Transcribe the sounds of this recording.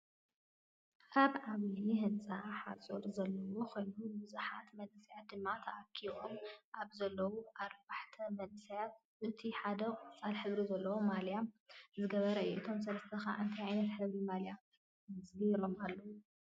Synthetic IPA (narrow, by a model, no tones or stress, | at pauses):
ʔʰaβʕaβihɨnt͡sʼaħa̰t͡sʼoɾzɐlːɐwokʰo̞jnunbɨzuħat̪mɐnɨsɐjat̪̚d̪ɨmːat̪ʰɐʔakʰːiβomʔaβzɐlːɐwuʔaɾbaħt̪ʰɐmɐnɨsɐjat̪̚ | ʔɨt̪ʰiħad̪ɐkʼɨt͡sʼalħɨβɾizɐlːɐwomaljamzɨɡɐβɐɾɐɨjuʔɨt̪ʰo̞ms̬ɐlɐst̪ʰɐxa̰ʔɨnt̪ʰajʕajnɐt̪ħɨβɾimaljam | zbilo̞malːɐwu